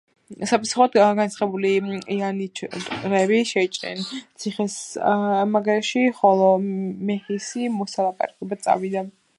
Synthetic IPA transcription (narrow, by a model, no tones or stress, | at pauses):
sapʰasuχuat̪aɡant̪sʰχɛbuliianit͡ʃʰt̪ʼɾɛbiʃɛt͡ʃʼnɛ̰nt̪sʰiχɛs | maɡɾɛʃiχɔlˠɔmɛhisimɔsalˠapʼa̰ɾakʼɛbat̪sʼa̰vid̪a